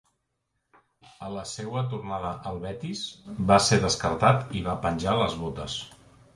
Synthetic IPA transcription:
ələsewət̪urnaðəʔəlˠβɛt̪izbaseðəskəɾt̪at̪iβapənʲʒaləzβot̪əs

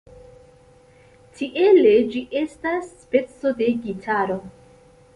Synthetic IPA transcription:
tiʔe̞le̞d͡ʒiʔe̞stasːpe̞t͡so̞de̞ɡitʰaɾo̞

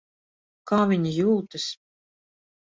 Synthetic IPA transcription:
kaːvʲiɲijuːt̪ɨs

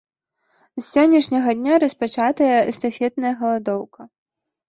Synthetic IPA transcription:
sːʲɔnʲːɐʂnʲɐɣɐd̪ʲnʲaɾɐspat͡ʂat̪ɐjɐɛst̪afʲɛt̪nɐjɐɣɐlˠad̪ɔwkɐ

